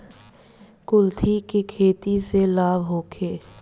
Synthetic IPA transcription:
kʊlt̪ʰikekʰeːt̪iselaːbɦoːkʰeː

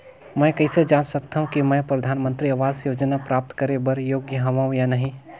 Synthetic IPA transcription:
mɛ̃ːkɐɪsed͡ʒãːt͡ʃsɐkt̪aːɦũkimɛ̃ːpɾɐd̪ʱaːnmə̃nt̪ɾiɐʋaːzjoːd͡ʒnapɾaːp̚t̪kəɾebɐɾjoːɡjəɦɐʋaːũjanɐɦĩ

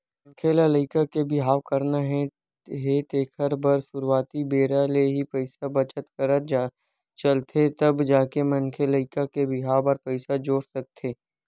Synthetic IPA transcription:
mɐ̃ŋkʰelaləɪkakebɪɦaːwkɐɾnaɦɛ̃ | ɦet̪eːkʰəɾbəɾsʊɾwaːt̪ibeːɾaleɦipəɪsabɐt͡ʃət̪kəɾət̪ː | t͡ʃɐlt̪ʰet̪ɐbd͡ʒaːkemɐŋkʰeləɪkakebɪɦaːwəɾpəɪsad͡ʒoːɽsɐk̚t̪ʰeː

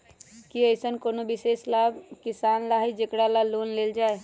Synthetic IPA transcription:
kiəɪsənkoːnobɪseːslaːbʱkɪsaːnɾaːɦid͡ʒekɽalaloːnleːld͡ʒaːe

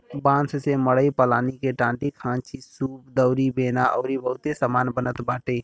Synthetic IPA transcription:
bãːnsseməɽəipəlaːnikeʈãːɳɖikʰãːnt͡ʃisuːpd̪əʊɾibeːnaʔɔːɾibəɦʊt̪esaːmaːnbənət̪baːʈeː

